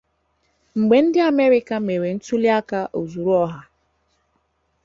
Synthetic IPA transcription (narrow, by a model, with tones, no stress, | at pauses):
ŋ͡m̩˨ɡ͡be˨n̩˦dɪ˦a˨me˦ɾɪ˦ka˦me˨ɾe˨n̩˦tu˦li˦a˦ka˦ʔo˨zu˨ɾu˦ɔ˦ɦa˦